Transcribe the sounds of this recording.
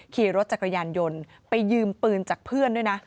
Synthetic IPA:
kʰiː˨˩ɾo˦˥t̪̚t͡ɕa˨˩kɾa˧jaː˧njo˧n | pa˧jːɯː˧mpɯː˧nt͡ɕaː˨˩k̚pʰɯ˥˩əndu˥˩əjna˦˥

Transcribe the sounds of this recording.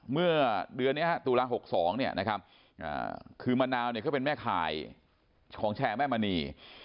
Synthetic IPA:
mɯ˥˩ɐdɯ˧ənːi˦˥ɐɦa˦˥t̪uː˧laː˧ɦo˨˩k̚sɔː˩˦ŋni˥˩ɐnʔa˦˥kʰa˦˥p̚ | ʔa̰ː˨˩kʰɯː˧maː˧naː˧wni˧˩kʰːpe˧nmɛː˥˩kʰa̰ː˨˩j | kʰɔː˩˦ŋt͡ɕʰɛː˧mɛː˥˩maː˧niː˧

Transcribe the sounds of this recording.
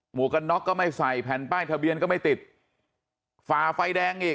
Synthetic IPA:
mu˨˩˦əka˧nːɔ˦˥kːɔː˥˩ma˥˩jsa˨˩jpʰɛː˨˩˦npaː˥˩jt̪ʰa˧bi˧ənkɔː˥˩ma˥˩jt̪i˨˩t̪̚ | faː˨˩fa˧jdɛː˧ŋʔiː˨˩

